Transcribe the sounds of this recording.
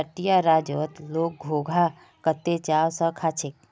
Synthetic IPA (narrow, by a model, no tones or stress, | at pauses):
əʈijaɾaːd͡ʒoːt̪loːk̚ɡʱoːɡʱa | kət̪ːet͡ʃaːwsə̃kʰat͡ʃʰek̚